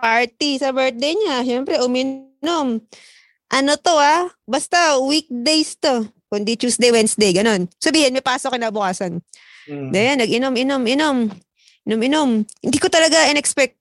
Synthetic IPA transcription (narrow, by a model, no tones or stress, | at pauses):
paɹt̪isɐbɛɹt̪̚d̪ejɲaʃɛmpɾɛʔʊmɪnnom | ʔɐnot̪o̞abɐst̪awik̚d̪ejst̪o̞ | kʊnd̪it͡ʃuːsd̪ejwɛnsd̪ejɡɐno̞nsɐbiːhɪnmɐjpaːsokɪnaːbʊkaːsɐn | d̪ɐjanːɐɡɪnomɪnomɪnom | ʔɪnomɪnomhɪnd̪iːkot̪ɐlɐɡaʔɪnɛkspɛk̚t̪̚